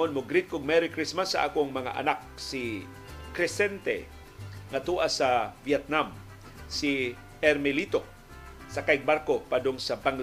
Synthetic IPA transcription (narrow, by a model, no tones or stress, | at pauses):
onmʊɡɾit̪̚kʊɡ̚mɛɾɪkɾismasːɐʔa̰ːkoŋmɐŋa̰ʔɐ̰nak̚sɪ | kɾɛsɛnt̪ɛ̰ | ŋat̪uːʔasavjɛt̪̚nam | si | ɛɾmɛlit̪o | sɐkajɡ̚baɾkopad̪ʊŋsɐbaŋl